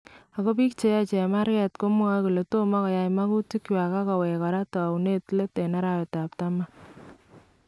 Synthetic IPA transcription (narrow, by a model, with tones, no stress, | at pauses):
a˨ko˦pi˦kt͡ʃe˦ja˦t͡ʃɛ˨ma˦ɾkɛ˨tko˦mu˦ŋa˦ku˨le˨to˦ma˦kɔ˨ja˨jma˦ku˦ti˦kjwa˨ka˦kɔ˨wɛ˨ka˨ɾa˦to˨u˨ne˦tle˦te˨na˦ɾa˨wɛ˨ta˨p̚ta˦ma˦